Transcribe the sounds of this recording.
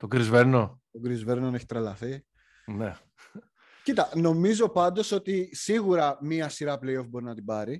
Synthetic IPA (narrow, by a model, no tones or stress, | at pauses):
t̪oɡɾizveɾno̞t̪oɡɾizve̞ɾnoneçit̪ɾɐlɐθi | ne | cit̪ɐno̞mizo̞pɐnd̪o̞so̞t̪isiɣuɾɐmiɐsiɾɐplejo̞fbo̞ɾinɐt̪ibɐɾi